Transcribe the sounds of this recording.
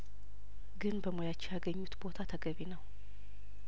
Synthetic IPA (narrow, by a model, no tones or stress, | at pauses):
ɡɨnbəmojat͡ʃːɛjaɡəɲːut̪bo̞t̪ʰat̪ʰəɡəβinəw